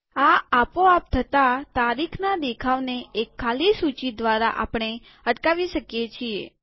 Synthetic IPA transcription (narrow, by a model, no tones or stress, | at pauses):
aapoap̚t̪ʰət̪at̪aɾikʰnad̪ekʰaʋneekʰːalisut͡ʃid̪ʋaɾaʔa̰pɳ̃e | əʈkaʋiʃəkjet͡ʃʰie